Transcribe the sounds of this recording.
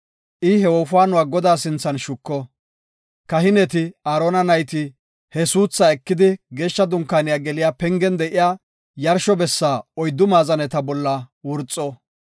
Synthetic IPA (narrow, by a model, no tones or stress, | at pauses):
ʔɪhɛwɔːfʊwaːnʊwaːɡɔd̪aːsɪnt͡sːɐnʃʊkːɔ | kɐɦɪnɛt̪ɪaːɾoːnɐnɐjt̪ɪ | hɛsuːt͡sːɐɛkːɪd̪ɪɡe̞ːʃːɐd̪ʊŋkːaːnɪjaːɡɛlɪjaːpɛŋɡɛnd̪ɛʔɪjaː | jɐɾʃɔbɛsːaːɔjd̪ːʊmaːzɐnɛt̪ɐbɔlːɐwʊɾt͡sʼːɔ